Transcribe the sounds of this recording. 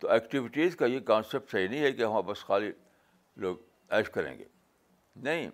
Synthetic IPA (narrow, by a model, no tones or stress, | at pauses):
t̪oɛːkʈɪʋɪʈiːzkajekãːnsep̚ʈsɐɦinɐɦĩɦɛkeɦɐmãːbɐsxaːli | loːɡ | ɛːʃkɐɾḛ̃ːŋɡḛː | nɐɦĩ